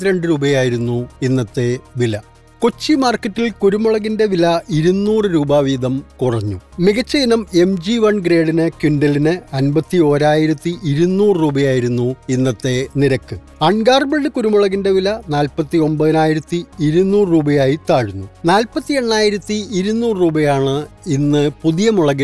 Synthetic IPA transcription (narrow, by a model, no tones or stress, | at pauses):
iɾeɳɖɨɾuːbɐjaːjiɾunːuinːɐt̪ːe̞ʋilɐ | kot͡ɕːimaːrkːɐtːilkuɾumɐɭɐɣinde̞ʋilɐiɾunːuːrɨɾuːbaːʋiːd̪ɐmkurɐɲːṵmiɣɐt͡ɕːɐjinɐme̞md͡ʑiʋɐɳɡɾe̞ːɽinɨkiɳɖɐlinɨɐnbɐt̪ːio̞ːɾaːjiɾɐt̪ːiʔiɾunːuːrɨruːbɐjaːjiɾunːuinːɐt̪ːe̞niɾɐkːɨ | ɐɳɡaːrbeɭɖɨkuɾumuɭɐɣinde̞ʋilɐnaːlpɐt̪ːio̞mbɐðɐnaːjiɾɐt̪ːiiɾunːuːrruːbɐjaːjit̪aːɻunːunaːlpɐt̪ːie̞ɳːaːjiɾɐt̪ːiiɾunːuːrruːbɐjaːɳɨ | inːɨpuðijɐmuɭɐɣɐ